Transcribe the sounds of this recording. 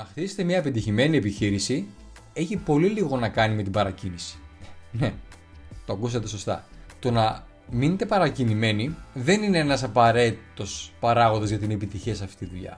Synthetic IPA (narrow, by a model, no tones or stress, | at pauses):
nɐxt̪ise̥t̪emɲɐeped̪içime̞niepiçiɾisi | eçipo̞liliɣo̞nɐkɐnime̞t̪ibɐɾɐcinisi̥ne̞ | t̪o̞ɐkus̬ɐt̪e̞so̞st̪ɐ̰t̪o̞nɐ | minet̪e̞pɐɾɐcinime̞niðe̞nine̞enɐsɐpɐɾe̞t̪iit̪o̞spɐɾɐɣo̞nðo̞zʝɐt̪ineːpit̪içiɐsɐft̪i̥t̪iðuʎɐ̰